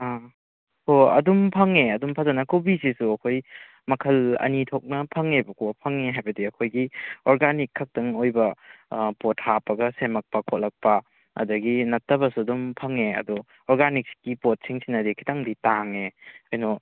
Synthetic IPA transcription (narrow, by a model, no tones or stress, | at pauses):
a | hoɐ̰dumpʰɐŋeɐdumpʰazɐnɐkobisisuɐkʰoj | mɐkʰɐlɐ̰nitʰok̚nɐpʰɐŋebɐkʰopʰɐŋeɦajbɐdiɐkʰojɡiɔɾɡanikʰːɐk̚tɐŋojbɐpot̚hapɐɡɐsemɐk̚pɐkʰot̚lɐk̚pɐ | ɐ̰dɐɡinɐtːɐbɐsuɐdumpʰɐŋeɐ̰du | ɔɾɡanik̚skipot̚siŋsinɐdikʰi̥taŋditaŋeɐjnɔ